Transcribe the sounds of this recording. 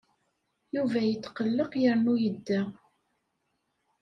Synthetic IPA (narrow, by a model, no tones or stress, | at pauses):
juvæjət͡s̪ːqəlːəqjəɾnujəd̪ːæ